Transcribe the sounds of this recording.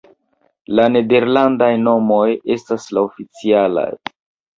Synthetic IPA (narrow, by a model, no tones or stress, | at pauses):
lane̞de̞ɾlandajno̞mo̞je̞staslaofit͡siala̰j